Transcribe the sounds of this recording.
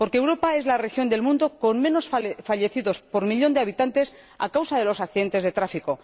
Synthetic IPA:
po̞ɾkeewɾo̞pae̞zlare̞xjo̞nd̪e̞lmũnd̪o̞ko̞nmẽ̞no̞sfaʎe̞θiðo̞spo̞ɾmiʎo̞nd̪eaβit̪ant̪e̞s | a̰kawsaðe̞lo̞sakθiðe̞nt̪e̞zðe̞t̪ɾafiko̞

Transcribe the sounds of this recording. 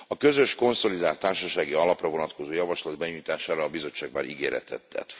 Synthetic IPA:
ɒkø̞zø̞ʃko̞nso̞lid̪aːlt̪ːaːrʃɒʃaːɡiɒlɒprɒvo̞nɒt̪ko̞zoːjɒvɒʃlɒd̪̚bɛɲujt̪aːʃaːɾɒːbizo̞t͡ʃːaːɡ̚ma̰ːɾiɡeːɾɛ̰t̪ʰɛ̰t̪ːɛ̰t̪

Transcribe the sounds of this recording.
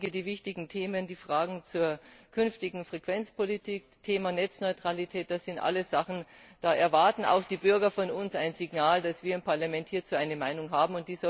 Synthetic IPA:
ɡədiːvɪçtɪɡŋ̩tʰeːməndiːfʁ̥aːɡŋ̩t͡suːɐkʰʏnftɪɡŋ̩fʁ̥ekv̥ɛnt͡spʰolitʰiːk̚tʰeːmanɛt͡snɔʏtʁ̥alitʰɛːt̚d̥asz̥ɪntʔa̰ləsz̥aχn̩d̥aːʔɛɐvaɐtn̩a̰ʊxd̥iːbʏɐɡɐfɔnʊnsaɪnzɪɡnaːldasv̥iːɐɪmpʰaɐlamɛnthiːɐt͡suːʔaɪnəmaɪnʊŋɦaːbm̩ʊnt̚d̥iːzɔ

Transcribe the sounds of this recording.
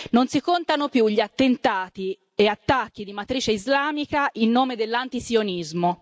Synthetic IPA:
nonsikont̪anopjuʎːiat̪ːent̪aːt̪i | eat̪ːakːid̪imat̪ɾiːt͡ʃeizlaːmikailːoːmed̪elːant̪isionizmo

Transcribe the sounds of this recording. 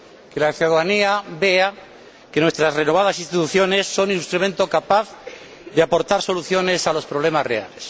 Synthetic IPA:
kelaθjuðaðaniabe̞a | kenwest̪ɾazrenoβaðasĩnst̪it̪uθjo̞ne̞sːo̞nĩnst̪ɾumẽnt̪okapaθ | ðeapo̞ɾt̪aɾso̞luθjo̞nesalo̞spɾo̞β̞le̞mazre̞̰a̰le̞s

